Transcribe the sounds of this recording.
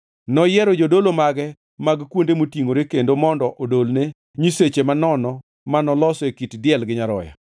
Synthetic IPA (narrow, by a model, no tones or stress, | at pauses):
nɔjɛɾɔd͡ʒodolomaɡɛ | maɡkwondemotiŋoɾekendomɔndɔʔodolne | ɲiset͡ʃemanɔnɔ | manɔlɔsekitdɪɛlɡɪɲaɾɔ̰ja̰